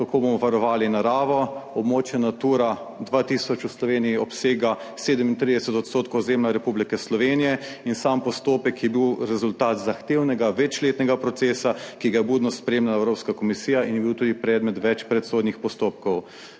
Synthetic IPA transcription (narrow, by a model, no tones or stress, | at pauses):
kakoːbomɔʋaɾɔʋaːlinaɾaːʋɔɔbmoːt͡ʃjɛnat̪uːɾa | d̪ʋat̪iːsɔt͡ʃuslɔʋeːnijiɔpseːɡa | seːd̪ɛmint̪ɾid̪ɛsɛt̪ɔt̪st̪oːt̪kowzeːmlaɾɛpublikɛslɔʋeːnijɛinsampɔst̪oːpɛkjɛbiwɾɛzult̪aːt̪zaxt̪eːwnɛɡaʋɛt͡ʃleːt̪nɛɡapɾɔt̪seːsakiɡajɛbuːd̪nɔspɾɛeːmlalaɛwɾoːpskakɔmisiːjaʔinjɛbiwt̪uːd̪ipɾɛːd̪mɛt̪ʋɛt͡ʃpɾɛt̪soːd̪nixpɔst̪oːp̚kɔw